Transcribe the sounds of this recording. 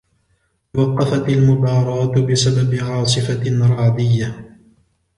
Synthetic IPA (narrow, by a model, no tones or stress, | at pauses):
wɑqːɑfat̪almʊb̪ɑːɾˤɑːt̪bɪsababɪʕɑːs̬ˤɨfanɾˤɑːd̪ɪjːa